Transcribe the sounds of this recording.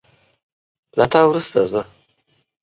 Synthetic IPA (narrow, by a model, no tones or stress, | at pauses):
lat̪ɑwɾust̪azə